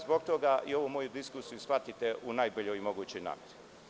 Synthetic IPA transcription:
zbokt̪oɡaʔio̞ʋumo̞jud̪iskusijusfat̪it̪eʔunaːjboʎojimo̞ɡuːt͡ɕojna̰ːmeɾi

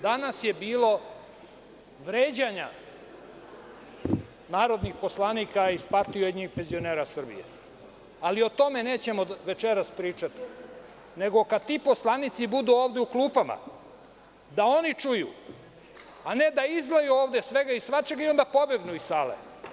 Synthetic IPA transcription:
d̪anasjebiːlo̞ | ʋɾeːd͡ʑaɲa̰ | naːɾo̞d̪nixpo̞slˠanikaispaɾt̪ijueɲixpe̞nzio̞neːɾasr̩bḭjḛ | alio̞t̪o̞me̞ne̞ːt͡ɕe̞moʋe̞t͡ʃeɾaspɾiːt͡ʂat̪i̥ | ne̞ɡo̞kad̪t̪ipo̞slˠanit̪sibud̪uoːʋd̪euklˠuːpama̰ | d̪ao̞nit͡ʂujṵ | ane̞d̪aizɡlˠajuoːʋd̪esʋeɡaisʋat͡ʃeɡaio̞nd̪apo̞beɡnuisaːlḛ

